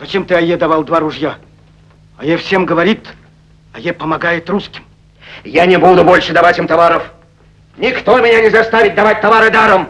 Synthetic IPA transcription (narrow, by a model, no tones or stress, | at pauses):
zɐt͡ɕemt̪ɨɐjed̪ɐvalˠd̪vaɾʊʐja | ɐjefsʲemɡəvɐɾʲit̪ | ɐjepəmɐɡajɪt̪ruskʲɪm | janʲɪbud̪ʊbolʲʂɨd̪ɐvatʲimt̪ɐvaɾəf | nʲɪkt̪omʲɪnʲanʲɪzɐst̪avʲɪt̚ʲd̪ɐvat̚ʲt̪ɐvaɾɨd̪aɾəm